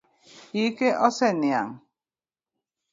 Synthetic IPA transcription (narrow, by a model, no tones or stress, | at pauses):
ikeʔɔsɛnja̰ŋ